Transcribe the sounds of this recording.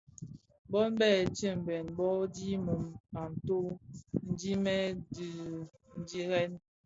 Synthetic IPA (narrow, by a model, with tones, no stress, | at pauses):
bɔ˦n˦bɛː˦˨t͡ʃi˦˨m̩˨bɛ˨nbɔ˦di˦mu˨ma˨n˨to˦n̩˦di˦mɛ˦di˨ | n̩˦d͡ʒi˦ɣɛ˦n